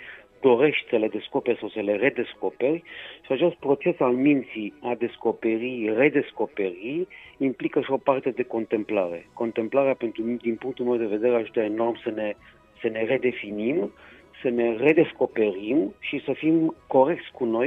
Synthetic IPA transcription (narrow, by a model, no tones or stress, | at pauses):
d̪o̞ɾe̞ʃt̪ʲsəle̞d̪e̞sko̞perʲsawsəle̞re̞d̪e̞skope̞rʲʃiat͡ʃe̞st̪̚pɾo̞t͡ʃe̞salmint̪siad̪e̞sko̞pe̞ɾire̞d̪e̞sko̞pe̞ɾiimplikəʃio̞part̪e̞d̪e̞ko̞nt̪e̞mplaɾe̞̰ko̞nt̪e̞mplaɾeape̞nt̪ɾud̪inpuŋk̚t̪ulmewd̪e̞ve̞d̪e̞ɾeaʒut̪aeno̞rmsəne̞ | səne̞re̞d̪e̞finimsəne̞re̞d̪e̞sko̞pe̞ɾimʃisəfimko̞ɾe̞k̚t̪sʲkuno̞j